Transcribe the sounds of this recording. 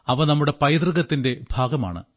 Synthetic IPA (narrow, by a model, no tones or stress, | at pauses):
ɐʋɐnɐmːuɽe̞pɐjd̪rɨɣɐt̪ːinde̞b̥ʱaːɡɐma̰ːɳɨ̰